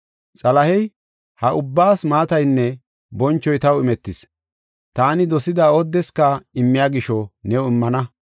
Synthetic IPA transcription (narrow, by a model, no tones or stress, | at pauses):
t͡sʼɐlɐhɛj | hɐʔʊbːaːsmaːt̪ɐjnːɛ | bɔnt͡ʃːɔjt̪ɐwɪmɛt̪ːɪs | t̪aːnɪd̪ɔsɪd̪aɔd̪ːɛskɐɪmːɪjaːɡɪʃɔnɛwʊɪmːɐnɐ